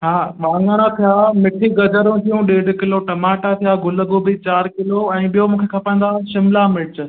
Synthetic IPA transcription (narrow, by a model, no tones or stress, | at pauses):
ɦaːʋãːŋɡaːñat̪ʰijamɪʈʰiɡɐd͡ʒəɾũt̪ʰijũɗeːɖkɪloʈɐmaːʈat̪ʰijaɡʊləɡobit͡ɕaːɾkɪloɛ̃ːɓijomũːkʰekʰɐpə̃nd̪aʃɪmlamɪt͡ɕ